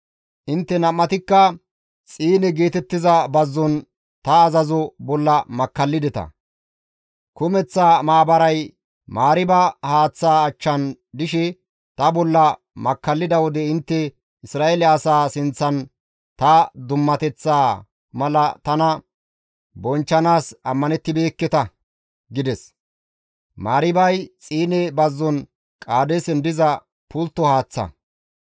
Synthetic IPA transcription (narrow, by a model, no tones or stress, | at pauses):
ʔɪnt̪ːɛnɐmːɐt̪ɪkːɐ | t͡sʼiːnɪɡeːt̪ɛt̪ːɪzɐbɐzːɔn | t̪ɐːzɐzɔbɔlːɐmɐkːɐlːɪd̪ɛt̪ɐ̰ | kʊmɛt͡sːaːmaːbɐɾɐj | maːɾɪbɐhaːt͡sːaːt͡ʃːɐn | d̪ɪʃɛ | t̪ɐbɔlːɐ | mɐkːɐlːɪd̪ɐwɔd̪ɛɪnt̪ːɛ | ɪsɾaːʔelɛɐsaːsɪnt͡sːɐn | t̪ɐd̪ʊmːɐt̪ɛt͡sːaː | mɐlɐt̪ɐnɐ | bɔnt͡ʃːɐnaːsɐmːɐnɛt̪ːɪbe̞ːkːɛt̪ɐ | ɡɪd̪ɛs | maːɾɪbɐjt͡sʼiːnɛbɐzːɔn | kʼaːd̪ɛsɛnd̪ɪzɐ | pʊlt̪ːɔhaːt͡sːɐ̰